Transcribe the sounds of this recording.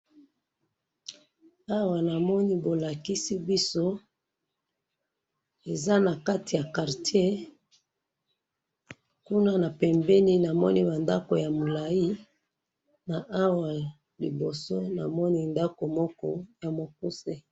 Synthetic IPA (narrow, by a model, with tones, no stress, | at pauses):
a˦wa˨na˨mɔ˦ni˦bo˨la˨ki˦si˦bi˦so˦ | e˨za˦na˨ka˦ti˨ja˨ka˨ʁtje˦ | ku˦na˦na˨pɛ˨mbɛ˦ni˦na˨mɔ̰˦ni˦ba˨nda˦ko˨ja˨mo˨la˨i˦ | na˨ʔa˦wa˨ | li˨bo˨so˦na̰˨mɔ˦ni˦nda˦ko˨mɔ˦kɔ̰˦ja˨mo˨ku˦se˦